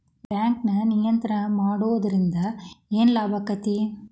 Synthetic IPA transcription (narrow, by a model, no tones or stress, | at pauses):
baːŋknɐnɪjɐnt̪ɐɾɐmaːɽɯʋɐðɪɾɪnd̪ɐeːnlaːbɐkːɐt̪i